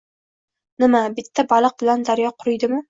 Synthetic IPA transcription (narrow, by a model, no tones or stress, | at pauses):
nɪmabɪt̪ʰːabalˠɨq̚bɪland̪aɾjɒqʰʊɾɪjd̪ɪmɪ